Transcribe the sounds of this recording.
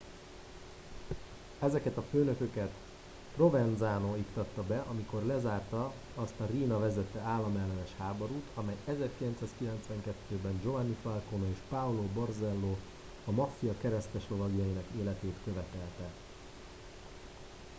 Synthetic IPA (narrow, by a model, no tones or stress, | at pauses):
ɛzɛkɛt̪ɒføːnø̞kø̞kɛt̪ | pro̞vɛnzaːnoikt̪ɒt̪ːɒbɛʔɒmiko̞rlɛzaːrt̪ɒ | ɒst̪ɒriːnɒvɛzɛt̪ːɛaːlːɒmɛlːɛnɛʃhaːboɾuːt̪ʰɒmɛjɛzɛrkilɛnsaːskilɛnt̪sʋɛŋkɛt̪ːøːbɛnd͡ʒo̞anːifɒlkonoeːʃpaulobo̞rzɛlːoː | ɒmɒfiɒkɛɾɛsk̪ɛʃlo̞vɒɡijɒjinɒkeːlɛt̪eːt̪kø̞vɛt̪ɛlt̪ɛ